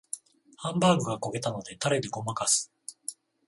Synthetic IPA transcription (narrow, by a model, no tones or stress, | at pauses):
hãmbaːɡɯ̟ɡako̞ɡe̞t̪ano̞d̪e̞t̪aɾe̞d̪eɡo̞makasɨ̥